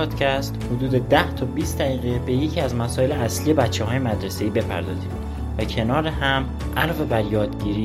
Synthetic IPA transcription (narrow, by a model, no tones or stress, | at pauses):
ɒːd̪̥cʰæst̪hod̪uːd̪e̞d̪æht̪ʰɒːbiːst̪̚d̪æɾiːɣe̞be̞jecʰiæzmæsɒːje̞leæslije̞bætt͡ʃʰːehɒːjemæd̪ɾese̞iːbe̞pʰæ̰ɾd̪ɒːziːd | væcʰe̞nɒːɾehæm | ʔælɒːve̞bæɾjɒːd̪ɟiːɾiː